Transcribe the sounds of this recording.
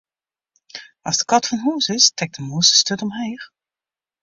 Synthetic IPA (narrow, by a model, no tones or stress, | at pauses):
ɑzdəkɑtfɔnɦuːsɪstɛk̚dəmuːsə̥støtɔmɦeːx